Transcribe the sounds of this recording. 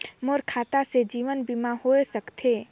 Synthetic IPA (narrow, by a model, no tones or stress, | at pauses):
moɾkʰaːt̪ased͡ʒiːʋənbimãɦoesəkt̪ʰeː